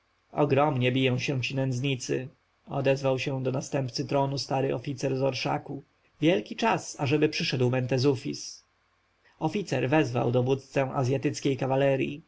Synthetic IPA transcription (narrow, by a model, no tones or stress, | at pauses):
ɔ̰ɡɾɔmɲɛbʲijɔ̃w̃ɕɛ̃t͡ɕinɛnd̪zɲit̪sɘ̰ | ɔ̰d̪ɛzvawɕɛ̃d̪ɔnast̪ɛmpt̪sɘt̪ɾɔnust̪aɾɘʔɔfʲit̪sɛɾzɔɾʂa̰ku | vʲjɛlkʲit͡ʂasaʐɛbɘpʂɘʂɛd̪wmɛnt̪ɛzufʲis | ɔfʲit̪sɛɾvɛzva̰wd̪ɔvut̪t̪sɛw̃ʔa̰zʲjat̪ɘt̪skʲejkavalɛɾʲjḭ